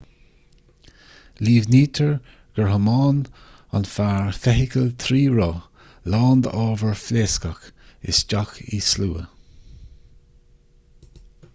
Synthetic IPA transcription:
liːvniːt̪ʰəɹ | ɡ̥əɹɦəmɑːn | a̰nfaːɹfɛɦɪkʰəlt̪ʰɾiːɹɔ | lɑːnd̪ɔːvəɹfleːskəkɪ̰sd͡ʒaxḭsluːə̰

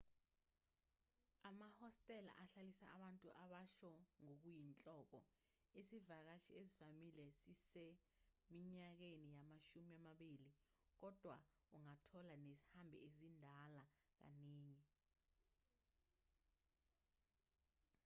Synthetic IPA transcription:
amahɔstʼɛla̰ʔaɬalisa̰ʔaɓantʼuʔaɓaʃɔŋok̬ujint͡ɬʼɔːk̬ɔ | esivak̬aʃiezifamilɛsise | miɲak̬enijamaʃumiamaɓilik̬ɔd̥ʱwa̰ | uŋatʰɔlanezi̥hambʱɛ̰ezindʱalak̬a̰neːɲɛ

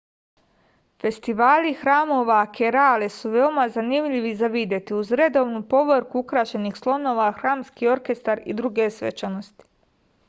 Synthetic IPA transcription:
fe̞st̪iʋaːlixɾaːmo̞ʋakeɾaːlesuʋe̞o̞mazanimʎiʋizaʋid̪je̞t̪iuzɾe̞d̪o̞ːʋnupo̞ʋɾkuukɾaʃe̞nixslˠo̞no̞ːʋaxɾaːmskio̞ɾke̞st̪aɾḭd̪ɾuɡe̞sʋḛt͡ʃano̞st̪i̥

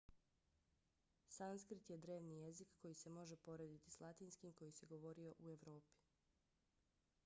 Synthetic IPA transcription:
sanskɾt̪je̞d̪ɾe̞ːʋnijezikːo̞jise̞mo̞ʒe̞po̞ɾed̪it̪i̥slˠat̪iːnskimko̞jiseɡo̞ʋo̞ɾio̞ʔue̞ʋɾo̞ːpi̥

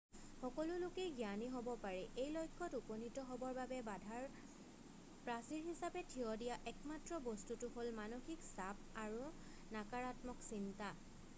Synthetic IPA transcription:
xɔkɔlʊlʊkeɡianiɦobɔpaɹɛʔejlɔjkʰːɔtuponitɔɦɔbɔɹbabɛbadʱaɹ | pɹasiɹɦisapɛtʰiɔdijaʔɛkmatɹɔbɔstutʊɦolmanoxiksap̚ | aɹu | nakaɹatmɔksinta

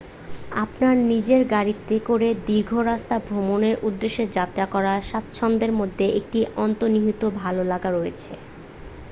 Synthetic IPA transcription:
apnaɾnid͡ʑeɾɡaɽit̪ekoɾed̪iɾɡʱoɾast̪abʱɾomoneɾud̪ːeʃːeɾd͡ʑat̪ːɾakɔɾaʃat̪t͡ɕʰɔnd̪eɾmod̪ʱːeʔek̚ʈiʔɔnt̪oniɦit̪obʱalolaɡaɾojet͡ɕʰe

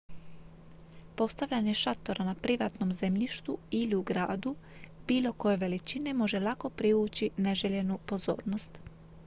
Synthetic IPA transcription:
po̞st̪aʋʎaɲe̞ʃat̪o̞ɾanapɾiʋaːt̪no̞mze̞mʎiʃt̪uiliuɡɾaːd̪ub̥iːlo̞ko̞jeʋe̞lit͡ʃine̞mo̞ʒe̞lˠako̞pɾiuːt͡ɕineʒeʎe̞nupo̞zo̞̰ːɾno̞st̪

